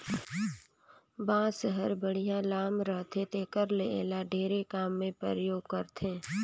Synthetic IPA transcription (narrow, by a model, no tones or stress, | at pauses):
bãːseɦəɾbəɽ̤ijãlaːmɾəɦt̪ʰet̪eːkəɾleḛːlaɖʱeːɾekaːmːẽpɾəɾəjoːɡ̚kəɾt̪ʰẽː